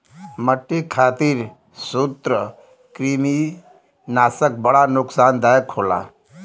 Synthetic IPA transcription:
məʈːekʰaːt̪iɾ | sut̪ɾə | kɾimi | naːsək̚bəɽanʊksaːnd̪ajəkʰola̰

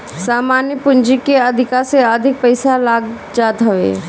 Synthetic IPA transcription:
saːmaːnjəpʊ̃ɲd͡ʒikeɐd̪ʱɪkaseəd̪ʱɪk̚pɐɪsalaːɡ | d͡ʒaːt̪ɦɐʋḛː

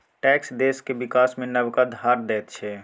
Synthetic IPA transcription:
ʈɛksd̪eskebikasmẽnəbkad̪ʱaɾd̪ɛːt̪t͡ʃʰɛ

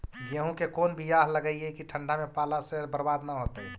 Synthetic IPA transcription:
d͡ʒeɦũkekonbijaɦləɡəiekiʈʰəɳɖamepalasebəɾbad̪naɦot̪əi

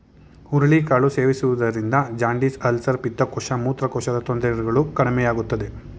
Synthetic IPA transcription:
uɾɐɭikaːɭuseːʋisuʋud̪ɐɾind̪ɐd͡ʒaːɳɖisɐlsɐɾpit̪ːɐkɔʃɐmuːt̪ɾɐkɔʃɐd̪ɐt̪ond̪ɾɐɾɡɐɭukɐɽimɛjaːɡut̪ːɐd̪e̞

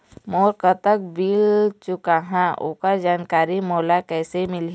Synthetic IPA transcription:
moːɾkət̪ək̚biːlt͡ʃʊkaɦãʔo̰ːkad͡ʒaːnkaːɾimoːlakɛːsemɪl

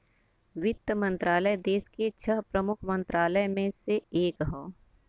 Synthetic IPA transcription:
ʋɪt̪ːəmə̃nt̪ɾaːləjd̪eːsket͡ʃʰəɦpɾəmʊkʰmə̃nt̪ɾaːləjmẽseeːkɦõː

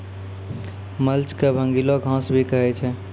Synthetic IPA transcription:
məlt͡ʃkebʱə̃ŋɡiloɡʱãːsbʱikəɦet͡ʃʰɛ

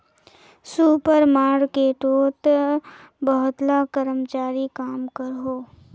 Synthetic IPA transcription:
suːpəɾmaːɾkeʈoːt̪ | bəɦʊt̪lakəɾəmt͡ʃaːɾikaːmkəɾɦoː

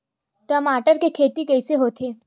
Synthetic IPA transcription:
ʈɔːmaːʈəɾkekʰeːt̪ikɛːseɦoːt̪ʰeː

